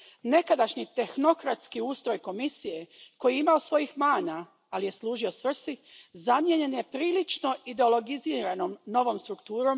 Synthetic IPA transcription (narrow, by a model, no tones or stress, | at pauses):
ne̞kad̪aʃɲit̪e̞xno̞kɾat̪skiuːst̪ɾo̞jko̞misije̞ko̞jiimaosʋo̞jixmaːna | alije̞slˠuːʒio̞sʋr̩sizamje̞ɲe̞nje̞pɾiːlit͡ʃno̞id̪e̞olˠo̞ɡiziːɾanoːmno̞ʋo̞ːmst̪ɾukt̪uːɾo̞m